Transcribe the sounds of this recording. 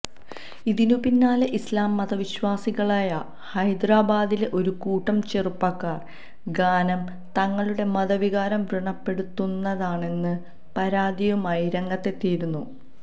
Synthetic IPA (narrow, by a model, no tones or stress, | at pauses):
iðinupinːaːleʔislaːmːɐðɐʋiɕwaːsiɣɐɭaːjɐ | hɐjd̪raːbaːd̪ileʔo̞ɾukuːʈːɐmt͡ɕerupːɐkːaːr | ɡaːnɐm | t̪ɐŋːɐɭuɽe̞mɐðɐʋiɣaːɾɐmʋriɳɐpːe̞ɽut̪ːunːɐðaːɳe̞nːɨ | pɐɾaːd̪ijumɐjiɾɐŋːɐt̪ːe̞t̪ːiːɾunːu